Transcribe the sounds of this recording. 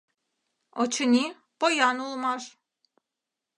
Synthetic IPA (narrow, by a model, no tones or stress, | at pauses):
ot͡ʃʰɯni | b̥ojanulˠmaɾ